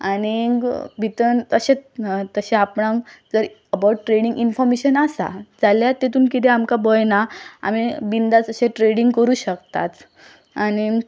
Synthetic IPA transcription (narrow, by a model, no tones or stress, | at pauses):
aniɡbʱit̪ənt̪əɕet͡st̪əɕeapɳad͡zəɾ | əbawʈːʈɾeɽiŋɡinfɔɾmeɕənasa̰d͡zaljat̪et̪uːnkit̪ɛamkabəjnaa̰mibind̪at͡səɕẽʈɾeɽiŋɡkəɾuːɕəkt̪a̰t̪ | añi